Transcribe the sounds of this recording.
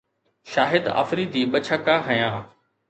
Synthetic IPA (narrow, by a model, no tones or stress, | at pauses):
ʃaːɦɪd̪a̰ːfɾid̪iːɓət͡ʃʰəkaɦɐjãː